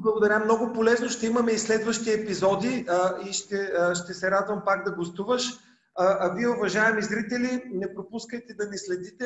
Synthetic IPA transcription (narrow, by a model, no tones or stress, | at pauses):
blˠɐɡod̪ɐɾʲamnɔɡʊpolɛznoʃt̪ɛimɐmɛislɛd̪vəʃt̪iɛpizɔd̪iiʃt̪ɛʃt̪ɛsɛɾad̪vəmpaɡd̪ɐɡost̪uvəʃ | ʔɐviɛʊvɐʒaɛmizɾit̪ɛlinɛpɾopuskəjt̪ɛd̪ɐnislɛd̪it̪ɛ